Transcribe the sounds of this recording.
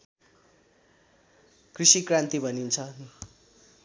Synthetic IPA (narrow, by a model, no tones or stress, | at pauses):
krisikrant̪ibʱʌnint͡sʰʌ